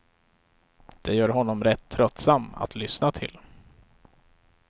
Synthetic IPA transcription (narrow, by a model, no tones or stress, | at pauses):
d̪̥ɛjœːɾɦɔnːɔmɾɛt̪ʰːɾœt̪ːsama̰t̪lʏsnat̪ʰɪ̰l